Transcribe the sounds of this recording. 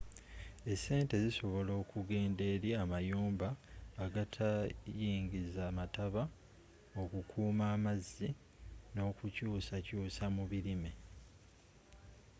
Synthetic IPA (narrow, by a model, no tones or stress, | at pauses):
e̞sːe̞ːnte̞ziso̞βo̞lo̞ːkuɡe̞ːnde̞ːɾiamajuːmbaːɡatʰajiːŋɟizaːmataβa | o̞kukʰuːmaːmazːi | no̞ːkucuːsacuːsamuβiɾime